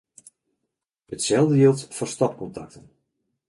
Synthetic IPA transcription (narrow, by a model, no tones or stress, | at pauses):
ətsɛlˠdəjilˠtfɔstɔp̚kɔntak̚tən